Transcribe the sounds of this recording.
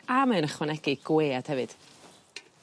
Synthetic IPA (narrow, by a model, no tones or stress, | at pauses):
amɛnəχwanɛɡ̥ɨɡ̥weːad̥hɛvɨd̥